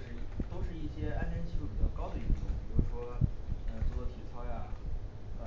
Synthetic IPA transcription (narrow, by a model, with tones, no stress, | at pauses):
ʂɻ̩˥˧˩t̪o˥ʊʂɻ̩˥˧i˥˩ɕjɛ˥a˥nʈ͡ʂɛ˥nt͡ɕʰi˥˩˥u˥˩pi˨˩t͡ɕjɑ˥˧ʊkɑ˥ʊd̪ə˨i˥˩tʊ̰˨˧˩ŋpi˨˩ɻu˥ʂwɔ˥ə˧˩t͡sɔ˥˩ɔ˥t̪ʰi˨˩t͡sʰɑ˥ʊja˨ | ə˧˩